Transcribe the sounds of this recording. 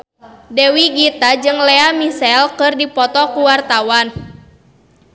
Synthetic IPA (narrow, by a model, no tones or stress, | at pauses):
dɛwiɡit̪ad͡ʒɨŋlɛamisɛlkɨrdipɔt̪ɔkuwart̪awan